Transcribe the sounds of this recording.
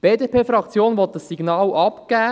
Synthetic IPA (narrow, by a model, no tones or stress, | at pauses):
b̥eːdepʰeːfɾɑkt͡sjoːnʋɔt̪̚d̥əsːiɡ̥nɑːlʔɑpɡ̥æː